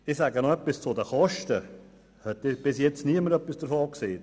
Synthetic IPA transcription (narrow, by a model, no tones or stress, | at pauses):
ɪsæɡənoœpːɪst͡sʊdəχɔʃtə | hɛtːɪb̥ɪs̬jɛt͡sniəməɾœpːɪsd̥əɾfoːkseː